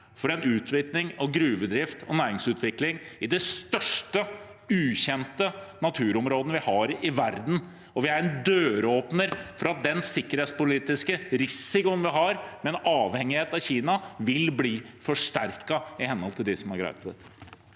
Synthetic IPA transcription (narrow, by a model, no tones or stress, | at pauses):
fɔɾɛnʉːt̪ʰʋɪt̪nɪŋɑʋɡɾʉːʋəd̪ɾɪft̪ɔ̰næːɾɪŋsʉːt̪ʰʋɪklɪŋɪd̪ɛst̪œʂʈə | ʉːçɛnt̪ənɑt̪ʰʉːɾɔmɾoːd̪n̩ʋɪhɑɾɪʋæɾd̪n̩ | ɔʋɪæɾɛnd̪øːɾəoːpnəɾfɔɾɑt̪̚d̪ɛnsɪkːəɾeːt̪spʊliːt̪ɪskəɾɪsɪkʊnʋɪɦɑɾmɛnɑːʋhɛŋɪheːt̪ɑʋçiːnɑʋɪlbliː | fɔʂʈæɾkɑɪhɛnhɔlt̪ɪld̪ɪsɔmæɾɡɾæ̰ɪt̪ət̪